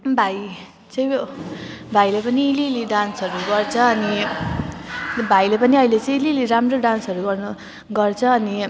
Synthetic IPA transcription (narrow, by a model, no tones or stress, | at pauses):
bʱaj | t͡sʌ̃j̃ | bʱajlepʌniːliliɖansʌɾuɡʌrt͡sʰʌʌni | bʱajlepʌniʌilet͡sʌ̃j̃ːliliɾamroɖansʌɾuɡʌrnʌ | ɡʌrt͡sʰʌːni